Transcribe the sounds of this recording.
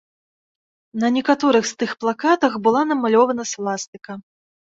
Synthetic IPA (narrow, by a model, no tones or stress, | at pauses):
nɐnʲɛkat̪ɔɾɨxst̪ɨxplˠakat̪ɐxbɨlˠanɐmalʲɔvɐnɐslˠast̪ɨkɐ